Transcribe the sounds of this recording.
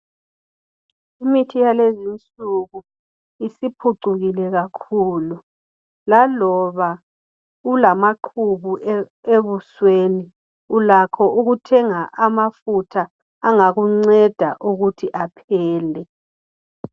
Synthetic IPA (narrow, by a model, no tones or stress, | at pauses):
imitʰijalezint͡sʼuɣu | isipʰuǀuɣilɛɣakʰuːlu | lalɔβa | ulamaǃʰuβu | eβusweːni | ulakʰɔuɣutʰɛŋaʔamafutʰaː | ŋaɣuŋ͡ǀɛd̥ʱaʔuɣutʰiʔapʰɛːlɛ